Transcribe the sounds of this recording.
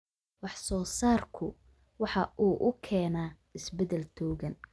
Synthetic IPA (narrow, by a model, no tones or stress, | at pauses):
wɑħsɔːsaːrkʰʊ | wɑħɑʔuːʔʊkʰɛːnaː | ɪsbɛdɛlt̪ʰɔːɣɐn